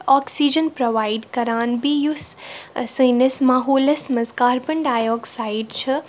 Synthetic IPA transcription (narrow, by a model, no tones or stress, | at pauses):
ɔːksid͡ʒənpɾoʋaːiɖkɐɾaːnbijussənɐsmaːɦoːlɐsmɐskaːɾpəɳɖaːjoːksaiɖt͡ʃʰɐ